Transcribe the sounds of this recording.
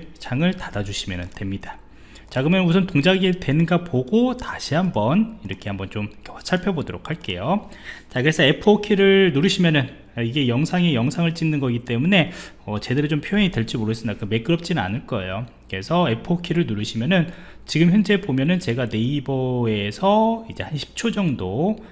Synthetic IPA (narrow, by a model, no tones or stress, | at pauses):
t͡ɕaŋɯɭtadad͡ʑuɕʰimjʌnɯntwe̞mɲid̥a | t͡ɕakɯmjʌnusʰʌntoŋd͡ʑaɡitwe̞nɯnɡapoɡotaɕʰihambʌniɾʌkʰe̞hambʌnt͡ɕomkʰt͡ɕʰaɭpʰjʌbodoɾo̰kʰaɭk͈e̞̰jo | t͡ɕakɯɾe̞sʰʌe̞pʰɯokʰiɾɯɭnuɾɯɕʰimjʌnɯn | iɡe̞jʌŋsʰaŋe̞jʌŋsʰaŋɯɭt͡ɕ͈inːɯnɡʌɡit͈e̞mune̞ | ʌt͡ɕe̞deɾɯt͡ɕompʰjojʌŋidwe̞ɭt͡ɕ͈imoɾɯɕʰɯmdakɯme̞k͈ɯɾʌp̚t͡ɕ͈inɯna̰nɯɭk͈ʌejo | kɯɾe̞sʰʌe̞pʰɯokʰiɾɯɭnuɾɯɕʰimjʌnɯn | t͡ɕiɡɯmçjʌnd͡ʑe̞bomjʌnɯnt͡ɕe̞ɡane̞ibʌe̞sʰʌid͡ʑe̞hanɕʰi̥p̚t͡ɕʰod͡ʑʌŋdo